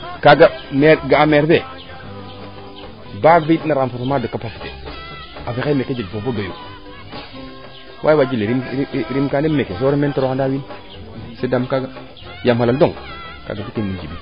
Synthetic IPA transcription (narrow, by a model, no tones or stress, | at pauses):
kaɡameɾɡaameɾbe | baɡvednaɾamfotomadokːapasi̥tḛ | afeaimeked͡ʒilbobodojo | wʔa̰jwad͡ʒileɾiɾimkandemekesoɾimentoɾokandawin | sedamkaɡa | jamhalaldoŋ | ka̰ɡadikinmind͡ʒibḭ